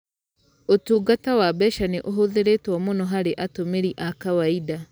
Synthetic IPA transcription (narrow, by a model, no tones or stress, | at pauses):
otuːɡatawabɛʃaneʔoɦoðeɾetwɔmonɔɦaɾeʔatomeɾiʔakawaida